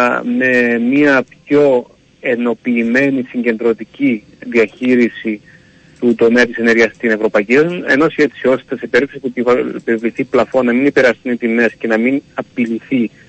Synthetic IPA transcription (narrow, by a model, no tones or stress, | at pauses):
me̞miɐpço̞ | e̞no̞piːme̞nisiɲɟe̞nd̪ɾo̞t̪ici | ðiɐçiɾisi | t̪ut̪o̞meɐt̪ise̞ne̞ɾʝɐst̪ine̞vɾo̞pɐicienosçe̞t̪sio̞st̪esepeɾiksipupevliθiplɐfo̞nːɐminipeɾɐst̪unit̪ime̞sce̞nɐminɐpiliθi